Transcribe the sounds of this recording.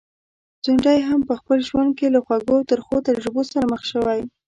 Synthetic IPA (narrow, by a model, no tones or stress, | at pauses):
t͡suɳɖajɦampəxpəlʒwand̪̚kelaxwaɡot̪əɾxot̪aɾʒəbosaɾaməxʃəwaj